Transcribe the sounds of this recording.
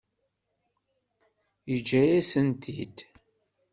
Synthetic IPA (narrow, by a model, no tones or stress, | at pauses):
jəd͡ʒæjæsənt̪ʰid̪